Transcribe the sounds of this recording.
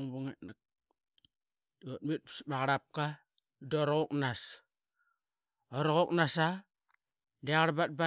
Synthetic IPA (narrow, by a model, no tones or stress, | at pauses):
ŋbuŋenak | ot̚mit̚psmaɣaɾap̚ka | doɾɣoknas | oɾoɣok̚nasa | deaɣaɾbat̚ba